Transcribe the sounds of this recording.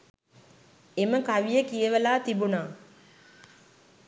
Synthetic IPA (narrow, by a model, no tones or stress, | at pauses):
eməkaʋijəkijəʋəlaːt̪ibunaː